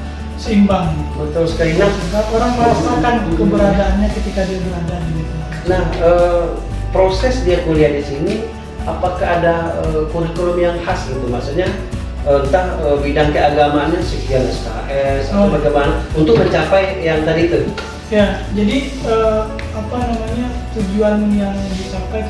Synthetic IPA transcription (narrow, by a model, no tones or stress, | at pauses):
səimbaŋbət̪ɔlsə̥kaɾinahɡaoɾaŋpoɾasmakankəbəɾaɡaanɲakət̪ikadiabəɾaɡaanɡit̪u | nahə | pɾosɛsdiakuliandisini | apakaɦːdaəkuɾikonomijaŋhasliumasuɲa | ənt̪aəbidaŋkəaɡamaɲasifialɛska̰ʔɛsat̪abaɡajmanaunt̪ʊk̚məɲt͡ʃapajjaŋt̪adit̪u | jad͡ʒadi | ə | apanamaɲat̪ud͡ʒuanjaŋdit͡ʃampaj